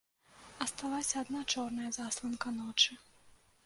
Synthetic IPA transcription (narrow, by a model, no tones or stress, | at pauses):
ɐst̪alˠasʲɐːd̪nat͡ʂɔrnɐjɐzaslˠɐnkɐnɔt͡ʂɨ